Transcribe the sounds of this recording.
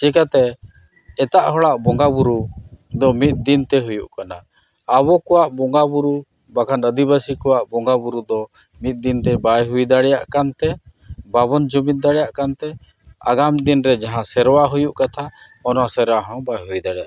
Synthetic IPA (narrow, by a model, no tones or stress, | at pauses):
t͡ʃikat̪ɛ | ɛt̪aʔɦɔɭaʔbɔŋɡabuɾud̪ɔmit̪̚d̪int̪ɛɦujuʔkanaː | βɔkɔwaʔbɔŋɡabuɾu | bakʰanəd̪iβasikɔwaʔbɔŋɡabuɾud̪ɔ | mit̪̚ˀd̪int̪ɛbajɦujd̪aɽɛjaʔkant̪ɛ | baβɔnd͡ʒumit̪̚d̪aɽɛjaʔkant̪ɛ | a̰ɡamd̪inɾɛd͡ʒaɦãsɛɾwaɦujuʔkat̪ʰa | ɔnɔasɛɾwaɦɔ̃bajɦujd̪aɽɛja̰ʔ